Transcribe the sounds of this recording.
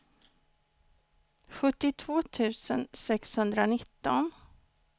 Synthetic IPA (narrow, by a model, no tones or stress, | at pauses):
ɧɵt̪ːɪt̪ʰvoːt̪ʰʉ̟ːsənsɛkshɵnd̪ɾanɪt̪ːɔn